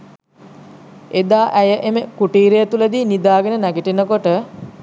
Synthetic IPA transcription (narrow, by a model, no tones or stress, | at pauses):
ed̪aːʔæjəʔeməkuʈiːɾejət̪uləd̪iːnid̪aːɡenənæɡiʈenəkoʈə